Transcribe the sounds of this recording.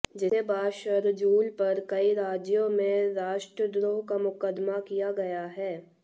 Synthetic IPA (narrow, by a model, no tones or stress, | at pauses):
d͡ʒɪebaːʃəɾd͡ʒuːlpɐɾkɐiɾaːd͡ʒjõmẽɾaːʃʈɾəd̪ɾoːɦkamʊkəd̪makijaɡɐjaɦɛː